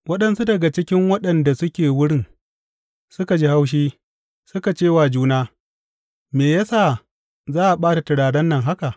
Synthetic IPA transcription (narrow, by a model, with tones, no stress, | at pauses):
wɐ˦ɗɐ˦nsu˦dɐ˨ɡa˨t͡ʃɪ˦kʲɪ˦ŋwɐ˦ɗɐ˨nda˨sʊ˦kʲeː˨wʊ˦ɽɪ˦˨ŋ | sʊ˦ka˨d͡ʒi˦ha˦wʃ̬iː˦ | sʊ˦ka˨t͡ʃeː˦˨waː˨d͡ʒuː˦naː˦ | meː˨ja˦saː˦˨ | zaː˦ʔa˨ɓaː˦ta˨tɪ˨ɽaː˨dɐ˦nːɐ˦˨ŋɦa˦ka˨ʔ